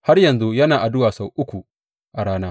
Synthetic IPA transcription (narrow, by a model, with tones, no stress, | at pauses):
ha˦rjɐ˨nzu˦jɐ˦naː˨ʔa˨dʊ˦waː˨sa˨wʔʊ˦kʷu˨ | ʔa˨ɽaː˦naː˦